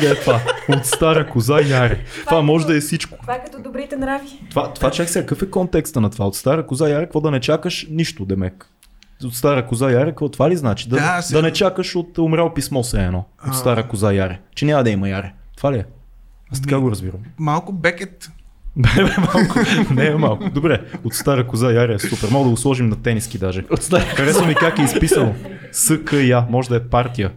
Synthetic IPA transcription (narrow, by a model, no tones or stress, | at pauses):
d̪ɛɛt̪vaot̪st̪aɾəkʊzajaɾɛt̪ovamɔʒɛd̪ɐɛsit͡ʃkʊ̥vakɐt̪ɔd̪obɾit̪ɛnɾavit̪ovat̪ovat͡ʃaksɛkəkɤfɛkɔnt̪ɛkst̪ənɐt̪ovaot̪st̪aɾəkʊzajaɾɛkəkvɔd̪ɐnɛt͡ʃakəʃniʃt̪ʊd̪ɛmɛk | ot̪st̪aɾəkʊzajaɾɛkkvɔt̪ovaliznat͡ʃid̪ɐd̪ɐnɛt͡ʃakəʃot̪omɾʲawpismɔsɛɛnɔott̪st̪aɾəkʊzajaɾɛt͡ʃɛnʲamɐd̪ɐimɐjaɾɛt̪ovaliɛ | ast̪ɐkaɡoɾɐzbiɾəmmalˠkʊbɛkɛt̪bɛbɛmalˠkʊnɛmalˠkʊd̪obɾɛot̪st̪aɾəkʊzajaɾɛɛsupɛɾmɔɡəd̪ɐɡʊslˠɔʒimnɐt̪ɛnisk̟id̪aʒɛot̪st̪aɾkɐɾɛsomik̪ʲakɛispisənʊ | sɤkəjamɔʒɛd̪ɐɛpaɾt̪ijə